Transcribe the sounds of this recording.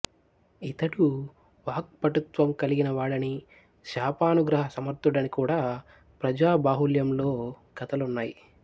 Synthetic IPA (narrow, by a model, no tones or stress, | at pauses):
it̪ɐɽu | ʋaːk̚pɐʈut̪ʋɐmkɐliɡinɐʋaːɭɐni | ʃaːpaːnuɡɾɐɦɐsɐmɐɾt̪uɽɐnikuːɽaː | pɾɐd͡ʒaːbaːɦuljɐmlo̞ː | ɡɐt̪ɐlunːaːji